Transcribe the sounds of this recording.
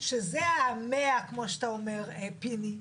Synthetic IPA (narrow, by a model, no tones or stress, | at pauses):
ʃezeameakmoʃt̪aomeʁepini